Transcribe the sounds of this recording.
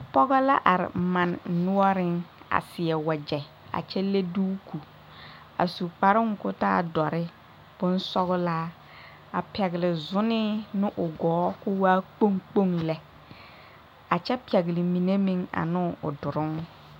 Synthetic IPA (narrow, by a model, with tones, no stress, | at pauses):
pɔ˦ɣɔ˦la˦ʔa˨ɾɪ̰˨ma˨nnʊ˦ɔ˦ɾɪ˦ŋa̰˨sɪ˨ɛ˨wa˨d͡ʒɛ˨ | a̰˨t͡ʃɛ˦le˦duː˦ku˨ | a̰˨su˨k͡pa˨ɾɪ˦ŋ˨kʊ˦ta̰ː˦˨dɔ˨ɾɪ˦ | b̥ʊ˦n˦sɔ˦ɣʊ˦laː˦ | a˨pɛ˨ɣɪ˨lɪ˨zʊ˦nɪ˦nɪ˦ʔʊ˨ɡɔː˨˦kʊ˦waː˦k͡po˦ŋk͡po˦ŋlɛ˨˦ | a˨t͡ʃɛ˦pɛ˨ɡɪ˨lɪ˨mi˨ne˦mĩ˨ŋa̰˨nʊ˦˨ʊ̰˨dʊ˨ɾʊ˦ŋ